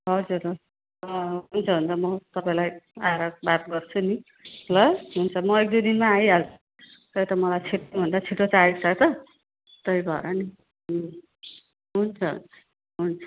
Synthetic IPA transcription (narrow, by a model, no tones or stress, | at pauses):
ɦʌd͡zur | ʌɦunt͡sʰʌɦunt͡sʰʌmʌt̪ʌpaĩlajaɾʌbat̪ɡʌrt͡sʰuni | lʌɦunt͡sʰʌmʌek̚d̪ud̪inmaːjɦalt͡sʰʌ̥ | t̪ʌjt̪ʌmʌlajt͡sʰiʈobʱʌnd̪at͡sʰiʈot͡sait͡sʰʌt̪ʌ | t̪ʌibʱʌeɾʌni | ɦunt͡sʰʌ̰ʌ | ɦunt͡sʰʌ̥